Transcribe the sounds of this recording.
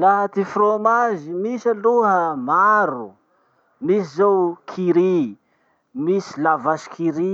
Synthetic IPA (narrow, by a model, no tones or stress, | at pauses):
laɦat̪ifromazimisaluɦəmaɾu | misizowkʰiɾi | misilavaʃi̥kʰiɾi